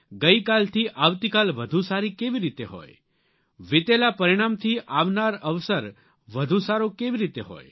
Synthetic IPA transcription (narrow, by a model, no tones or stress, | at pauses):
ɡəikalt̪ʰiʔaʋt̪ikalʋəd̪ʱũsaɾikeʋiɾit̪eɦɔ̰j | ʋɪt̪elapəɾiɽ̃amt̪ʰiʔaʋnaɾəʋsəɾ | ʋəd̪ʱũsaɾokeʋiɾit̪eɦɔ̰j